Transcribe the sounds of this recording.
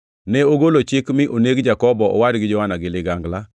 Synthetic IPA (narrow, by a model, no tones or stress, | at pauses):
nɛoɡolot͡ʃɪkmɪʔoneɡd͡ʒakɔbɔɔ̰wadɡɪd͡ʒɔwanaɡɪlɪɡaŋɡla